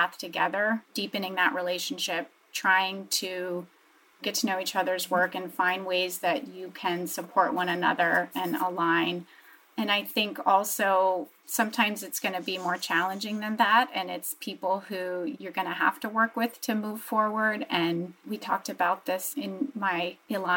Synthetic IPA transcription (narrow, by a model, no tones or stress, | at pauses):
æθtʰɨɡɛ̰ðə˞d̥ipɨ̃nɪ̃ŋðɨ̰ʔɹileɪʃn̩ʃɪp̚tʰɹ̥aɪɪ̃ŋtʰɨ | ɡ̥ɛtʰɨnoʊit͡ʃʌðə˞zwɜ˞kɨ̃nfãɪ̃nd̚weɪzðɨt͡ʃɨkʰɨ̃nsəpʰɔɹʔ̚wʌ̃ñɨnʌ̰ðə˞ɨ̃nə̰lãɪ̃n | ɨ̃naɪθɪ̃ŋkɔlˠsoʊ | sʌ̃mtʰãɪ̃mzɨtsɡ̥ʌnɨbimɔɹt͡ʃʰælˠə̃nd͡ʒɪ̃ŋðɨ̃nðæɾɨ̃nɪtspʰipl̩ˠhʉjə˞ɡʌñɨɦæ̰ftəwɜ˞kwɪð̥tʰɨmuv̥fɔɹwə˞dɨ̃nwitʰɔ̰k̚tɨbaʊt̪̚ðɪsɪ̃nmaɪɨla